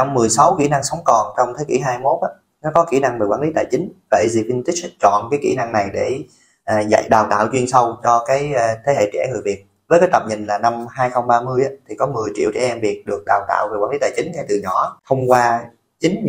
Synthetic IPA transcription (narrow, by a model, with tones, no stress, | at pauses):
t͡ɕɔ˧wŋ͡mːɨ˨˩əjsa˨˦wkḭ˧˩na˧ŋsə˨˦wŋ͡mkɔ˨˩nt͡ɕɔ˧wŋ͡mt̪ʰeː˨˦jkḭ˧˩ɦaː˧jmo˦˥t̚ʔaː˨˦ | nɔ˨˦kɔ˨˦kḭ˧˩na˧ŋveː˨˩kwaː˧˥li˨˦t̪aː˧˨jt͡ɕï˨˦ŋ̟və̰˧˨˩jzi˨˩i˧nt̪i˦˥k̚t͡ɕɔ̰˧˨nkaː˨˦jkḭ˧˩na˧ŋna˨˩jɗe˧˩ | ʔːza̰˧˨jɗaː˨˩wt̪a̰ː˧˨wt͡ɕwi˧ənsə˧wt͡ɕɔ˧kaː˨˦jt̪ʰe˨˦hḛ˧˨t͡ɕɛ̰˧˩ŋɨ˨˩əjvi˨˩ət̚ | vəː˨˦jka˨˦jt̪ə˨˩p̚ɲï˨˩nlaː˨˩na˧mhaː˧jxə˧wŋ͡mɓaː˧mɨ˧əjʔaː˨˦t̪ʰi˨˩kɔ˨˦mɨ˨˩əjt͡ɕḭ˧˨əwt͡ɕɛ˧˩ʔɛ˧mvi˨˩ət̚ɗɨ˨˩ək̚ɗaː˨˩wt̪a̰ː˧˨wve˨˩kwaː˧˥nli˨˦t̪a̰ː˧˩jt͡ɕï˨˦ŋ̟ŋɛ˧jt̪ɨ˨˩ɲɔ˧˩t̪ʰə˧wŋ͡mkwaː˧ | t͡ɕï˨˦ŋ̟